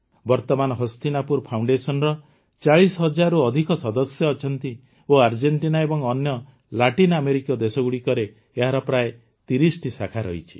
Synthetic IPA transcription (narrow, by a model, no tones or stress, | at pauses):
bɔɾt̪ɔmanɔɦɔst̪inapuɾpʰawɳɖesɔnɾɔ | t͡ʃaɭisɦɔd͡ʒaɾuɔd̪ʱikɔsɔd̪ɔsjɔːt͡ʃʰɔnt̪i | oaɾd͡ʒeɳʈinaebɔŋɔnjɔ | laʈinameɾikijɔd̪esɔɡuɽikɔɾeː | ɦaɾɔpɾae | t̪iɾisʈisakʰaɾɔ̰ɦit͡ʃʰi̥